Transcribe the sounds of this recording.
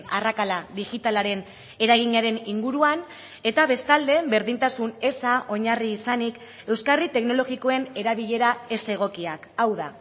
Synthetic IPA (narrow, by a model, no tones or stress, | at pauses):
a̰rakalaðiɣit̪alaɾe̞n | e̞ɾaɣ̞iɲaɾe̞niŋɡuɾuan | e̞t̪aβe̞st̪ald̪e̞be̞ɾðint̪asune̞saʔo̞ɲariːsanik | e̞wskarit̪e̞kno̞lo̞ɣiko̞e̞ne̞ɾaβiʎe̞ɾae̞se̞ɣ̞o̞kiakawða